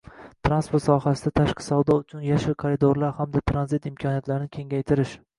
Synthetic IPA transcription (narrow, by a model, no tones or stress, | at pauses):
t̪ʰɾanspoɾt̪sɒɦasɪd̪at̪ʰaʃqʰɨ̥sawd̪ɒʊt͡ʃʰʊnjaʃɪɾkʰoɾɪd̪oɾlaɾhamd̪at̪ʰɾanzɪt̪ɪmkʰɒnijat̪laɾɪnɪkʲʰe̞ŋɡʲajt̪ʰɪɾɪʃ